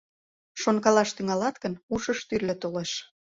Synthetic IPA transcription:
ʃonkɑlɑʃt̪yŋɑlɑt̪kənuʃəʃt̪yrlĕt̪oleʃ

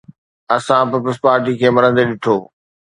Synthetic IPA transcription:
ɐsãpɪpləspaːɾʈikʰeːmɐɾə̃nd̪eɗɪʈʰoː

